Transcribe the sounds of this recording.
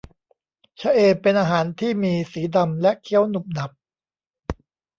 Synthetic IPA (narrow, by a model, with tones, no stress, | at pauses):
t͡ɕʰa˦˥ʔeː˧pe˧nʔaː˧ɦaː˩˦nt̪ʰiː˥˩miː˧siː˩˦da˧mlɛ˦˥ʔkʰi˦˥˩ə˨wnu˨˩p̚na˨˩p̚